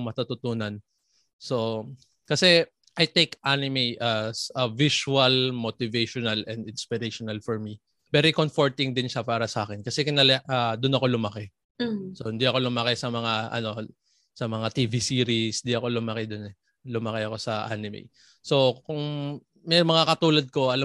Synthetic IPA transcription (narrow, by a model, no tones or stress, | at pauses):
mɐt̪ut̪ʊt̪uːnɐn | so | kɐsɛ | ʔɐjt̪ejkʔanɪmejʔɐsɐvisuɐlmot̪ɪveʃɔnɐlɛnd̪ɪnspɪɾeʃɔnalfɔɹmi | vɛɾikonfoɹt̪ɪŋd̪ɪnʃapaːɾɐsɐʔaːkɛnkɐsɛkɪnɐlɛad̪ʊnɐko̞lʊmɐkɛ | sohɪnd̪iɐko̞lʊmɐkɛsɐmɐŋaʔɐ̰no̞ | sɐmɐŋat̪ivisiːɾisnd̪iɐko̞lʊmɐkɛd̪onɛ | lʊmɐkɛɐko̞sɐʔa̰nɪmḛj | so̞kʊŋ | mɛjmɐŋakɐt̪uːlɐd̪̚ko̞ɐla